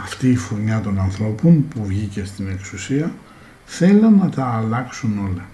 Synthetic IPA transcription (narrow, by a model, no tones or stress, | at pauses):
ɐft̪iːfuɾɲɐt̪o̞nɐnθɾo̞ponpuvʝice̞st̪ine̞ksusiɐ | θe̞lɐnɐt̪ɐːlɐksuno̞lɐ